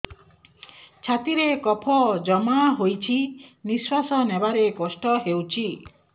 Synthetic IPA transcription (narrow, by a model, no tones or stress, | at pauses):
t͡ʃʰat̪iɾekɔpʰɔd͡ʒɔmaɦojt͡ʃʰiniswasɔnebaɾekɔsʈɔɦewt͡ʃʰi